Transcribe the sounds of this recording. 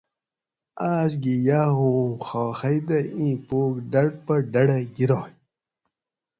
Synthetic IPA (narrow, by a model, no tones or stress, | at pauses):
aːs̬ɡijaːɦũːxaːxɐjd̪ɐĩːpoːkɖɐɽpɐɖɐɽɐɡiɾaː